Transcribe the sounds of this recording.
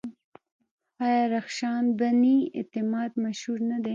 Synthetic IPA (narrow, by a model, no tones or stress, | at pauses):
ɑjɑɾaxʃɑnbaniɪ̰t̪ɪmɑːd̪maʃhuɾnad̪e